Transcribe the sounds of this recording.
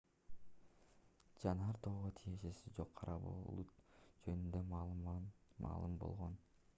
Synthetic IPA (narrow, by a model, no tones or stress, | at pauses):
d͡ʒɑnɑɾt̪ʰoːʁot̪ʰije̞ʃe̞sid͡ʒo̞qʰːɑɾʔɑbo̰lˠud͡ʒønynd̪em | mʔɑ̰ːlˠɯmbo̰lˠʁo̞n